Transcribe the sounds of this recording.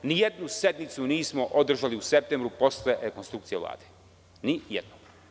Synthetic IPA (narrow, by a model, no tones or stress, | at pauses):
nijed̪nusjed̪nit̪suniːsmo̞ʔod̪r̩ʒaliusep̚t̪embɾupo̞sle̞ɾekonst̪ɾukt̪sijela̰ːd̪̥e | nijed̪no